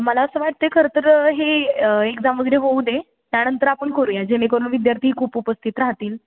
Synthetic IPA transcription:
məlaəsəːʋaʈ̚t̪ekʰəɾət̪əɾɦeekd͡zamʋəɡeɾeɦoud̪e | t̪janənt̪əɾapəɳkoɾujɛd͡ʑenekəɾuːɳʋid̪jaɾt̪ʰiɦkʰuːpupəst̪ʰit̪ɾaɦt̪iːl

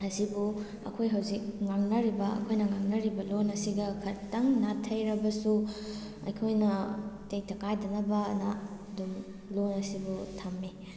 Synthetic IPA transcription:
ɐsibu | ɐ̰kʰojɦɐwzik̚ŋaŋnɐɾibɐɐ̰kʰojnɐŋaŋnɐɾibɐlonɐsiɡɐkʰɐtːɐŋnatʰːɐjɾɐbɐsu | ɐ̰jkʰojnɐtejtɐkajdɐnɐbɐnaɐdum | lonɐsibutʰamːi

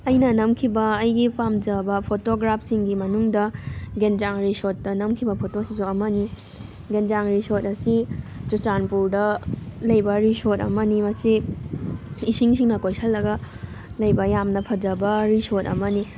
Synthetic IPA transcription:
ɐjnɐnɐmkʰibɐɐjɡipamd͡ʒɐbɐpʰotoɡɾapʰsiŋɡimɐnuŋdɐɡend͡ʒaŋɾisotːɐnɐmkʰibɐpʰotosisoɐmɐni | ɡend͡ʒaŋɾisotɐsid͡ʒut͡ʃanpuɾdɐlɐjbɐɾisotɐ̰mɐnimɐsi | isiŋsiŋnɐkojsʰɐlːɐɡɐ | lɐjbɐjamnɐpʰɐd͡ʒɐbɐɾisot̚ɐ̰mɐni

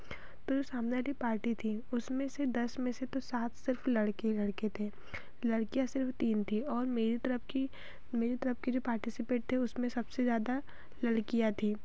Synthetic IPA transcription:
t̪od͡ʒosaːmnealipaːɾʈit̪ʰiʊsmẽsed̪ɐsmẽset̪osaːt̪ʰsɪɾflɐɽkelɐɽket̪ʰẽː | lɐɽkijasɪɾft̪iːnt̪ʰiɔːɾmeːɾit̪ɐɾəpki | meːɾit̪ɐɾəpked͡ʒoːpaːɾʈɪsɪpeːʈ̚t̪ʰeʊsmẽsɐbsezjaːd̪a | lɐɽkijat̪ʰiː

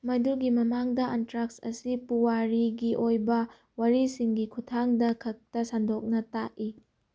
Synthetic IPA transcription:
mɐjduɡimɐmaŋdɐʔantɾak̚sɐ̰sipuwaɾiɡiʔojbɐ | waɾisiŋɡikʰutʰaŋdɐkʰɐk̚tɐsandok̚nɐtaʔi

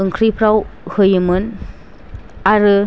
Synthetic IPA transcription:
ɯŋkʰɾipʰɾawhɯjɯmɯn | aɾɯ

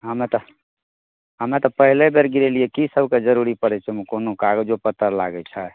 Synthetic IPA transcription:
ɦəmet̪ɔ | ɦəmet̪ɔpəɦilebeɾɡiɾeliɛkisəbʱked͡ʒəɾuɾipəɾɛt͡ʃʰɛmukonokaɡd͡ʒopət̪ːəɾla̰ɡɛt͡ʃʰɛ

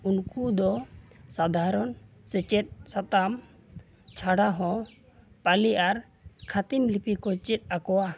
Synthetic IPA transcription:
unkud̪ɔsad̪ʱaɾɔn | sɛt͡ʃɛt̪̚sat̪am | t͡ʃʰaɽaɦɔ̃ | paliʔaɾ | kʰat̪imlipikɔt͡ʃit̪̚ˀakɔwa

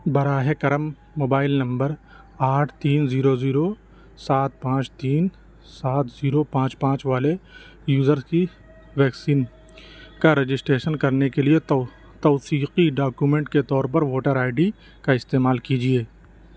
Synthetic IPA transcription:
bɐɾaːɦekɐɾəmː | oːbaːɪlnɐ̃mbəɾ | aːʈʰt̪iːnziːɾoziːɾo | saːt̪̚pãːt͡ʃt̪iːn | saːt̪ʰziːɾopãːt͡ʃpãːt͡ʃʋaːle | juːzəɾski | ʋɛːksiːn | kaɾed͡ʒɪsʈɾeːʃənkɐɾnekelie | t̪ɔːsiːqiɖaːkumẽːɳʈket̪ɔːɾpɐɾʋoːʈəɾaːɪɖi | kaɪst̪eːmaːlkid͡ʒieː

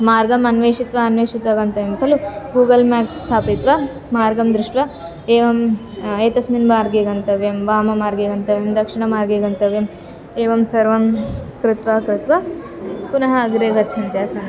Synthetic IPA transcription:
maːɾɡɐmɐnʋeːʂit̪ʋɐɐnʋeːʂit̪ʋɐɡɐnt̪ɐʋemkʰɐluɡuːɡɐlmaːkst̪ʰaːpit̪ʋɐ | maːɾɡɐmd̪ɾɪʂʈʋɐ | eːʋɐm | eːt̪ɐsminʋaːɾɡeːɡɐnt̪ɐʋjɐmʋaːmɐmaːɾɡeɡɐnt̪ɐʋjemd̪ɐkʂiɳɐmaːɾɡeːɡɐnt̪ɐʋjem | eːʋɐmsɐɾʋɐmkɾɪt̪ʋakɾɪt̪ʋɐ | punɐɦɐːɡɾeːɡɐtːt͡ʃʰɐnt̪jaːsɐ

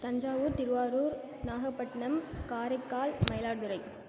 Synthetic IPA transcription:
t̪ɐɲd͡ʒaːʋɯːɾt̪ɪɾɯʋaːɾuːɾ | naːɣɐpːɐʈːɐnɐmkaːɾɐɪkːaːlmɐɪlaːɾðɯɾɐɪ

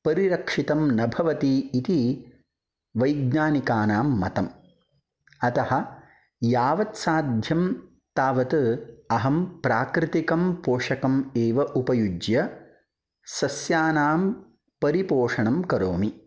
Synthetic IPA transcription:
pɐɾiɾɐkʂit̪ɐmnɐbʱɐʋɐt̪iːt̪i | ʋɐjɡɲaːnikaːnaːmːɐt̪ɐm | ɐt̪ɐhɐ̆ | jaːʋɐt̪saːd̪ʱjɐm | t̪aːʋɐt̪ɨɐɦɐmpɾaːkɾɪt̪ikɐmpoːʂɐkɐmeːʋɐʔupɐjud͡ʒjɐ | sɐsjaːnaːm | pɐɾipoːʂɐɳɐmkɐɾoːmi

